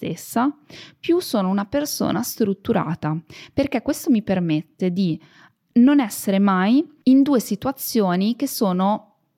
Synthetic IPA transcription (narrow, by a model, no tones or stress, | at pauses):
t̪ḛsːapjusːoːnounaperso̰ːnast̪ɾut̪ːuɾa̰ːt̪aperkekːwest̪omipermet̪ːed̪i | nonɛsːeɾemaj | ind̪uːesit̪uat̪sːjoːnikesːoːno